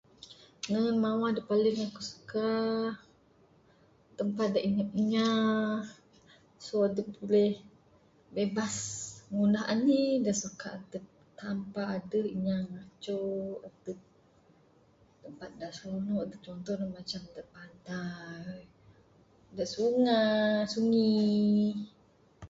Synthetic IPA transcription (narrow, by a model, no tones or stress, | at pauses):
nənmawahdaʔpaliŋakusu̥ka | t̪əmpat̪̚daʔiɲap̚iɲa | soadəbulɛh | bebasŋundaɦa̰nidaʔsukaʔat̪ə | t̪ampaːdəhiɲaŋat͡ʃoat̪əʔ̚ | t̪əmpat̪̚daʔsunɔat̪ət͡ʃɔnt̪ɔhdamat͡ʃamdaʔbant̪a | daʔsuŋasuŋi